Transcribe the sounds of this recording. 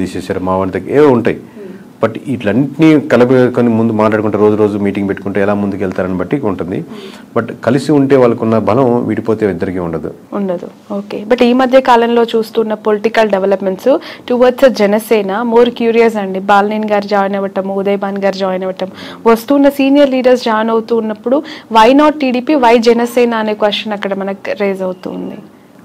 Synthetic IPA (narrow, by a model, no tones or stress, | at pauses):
iːseːsaːɾumaːʋɐɳt̪ɐkeːuɳʈaːji | bɐʈiʈlɐnːʈnikɐlɐpɐkoːnimund̪umaːʈlaːɽukuɳʈːeːɾo̞ːd͡ʒuɾo̞ːd͡ʒumiːʈiŋɡpe̞ʈːu̥kuɳʈeːɛlaːmund̪ukɛlt̪aːɾɐnibɐʈːiuɳʈund̪ḭ | bɐʈkɐlisiuɳʈe̞ːʋaːɭːɐkunːɐbʱɐlɐ̃mʋḭːɽipo̞ːt̪eːid̪ːɐɾikiːuɳɖɐd̪ṵ | uɳɖɐd̪u | o̞ːke̞ːbɐʈiːmɐd̪ʱjɐkaːlɐmlo̞ːt͡ʃuːst̪uːnːɐpoliʈikɐlɖeʋɐlɐpme̞ɳʈsuʈuːʋɐsɐd͡ʒɛnɐsɛːnɐmo̞ːɾkjuːɾijɐs̬ɐɳɖibaːlniːnɡaːɾd͡ʒaːjnɐʋɐʈɐmud̪ɐjbaːnɡaːɾd͡ʒaːjnɛʋɐʈɐm | ʋɐst̪uːnːɐsiːnijɐɾliːɖɐɾs̬d͡ʒaːjnɐwut̪uːnːɐpːuɽuʋɐjnaːʈ̚ʈːiːɽiːpiːʋɐjd͡ʒɛnɐsɛːnaːneːkʋɐʂɐnɐkːɐɽɐmɐnɐkɾeːzɐwt̪ṵːnd̪ḭ